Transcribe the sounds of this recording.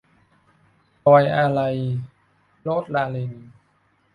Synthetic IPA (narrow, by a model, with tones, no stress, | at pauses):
ɔː˧jʔa˧ɾa˧j | lo˦˥˩t̪̚laː˧le˧n